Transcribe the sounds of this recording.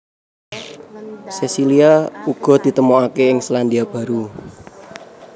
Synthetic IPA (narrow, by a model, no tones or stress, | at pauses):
sesiliauɡ̥ɔ̤d̪̥i̤t̪əmoakeɪŋsland̪iab̥a̤ɾu